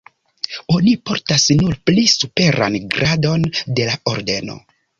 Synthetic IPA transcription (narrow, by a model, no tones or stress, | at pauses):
o̞nipo̞ɾtasnuɾplisupe̞ɾa̰nɡɾʔado̞nde̞lao̞ɾde̞no̞̰